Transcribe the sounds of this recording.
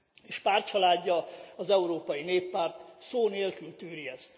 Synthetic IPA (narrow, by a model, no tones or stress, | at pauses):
eːʃpaːrt͡ʃɒlaːdɟːɒɒzɛuɾoːpɒjineːpːaːrt̪soːneːlkylt̪yːɾiɛst̪